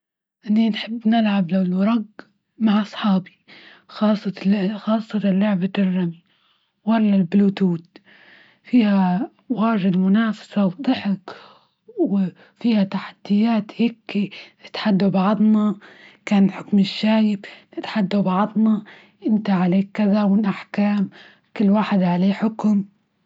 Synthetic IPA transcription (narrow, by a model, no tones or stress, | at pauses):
ʔɪnːinħɪbːnɪlʕablawlwɑɾˤɑɡ | maʕʔɑsˤħɑːbi̥ | xɑːsˤːɑxɑːsˤːɑt̪alːʊʕbad̪ɪrːami | walːalbluːt̪uːt̪ | fiːha | waːʒɪd̪mʊnaːfḁsawd̪ˤɑħɪk | wɪ | fiːhat̪aħḁd̪̥ːɪjːaːt̪heːkinɪt̪ħad̪ːabɑʕd̪ˤnɑkaːnlħʊkmɪʃːaːjɪbnɪt̪ħad̪ːabɑʕðˤnɑ | ʔɪnt̪aʕaleːkːɪðawɪlʔaħkaːm | kʊlːwaːħɪd̪ʕaleːħʊkʊm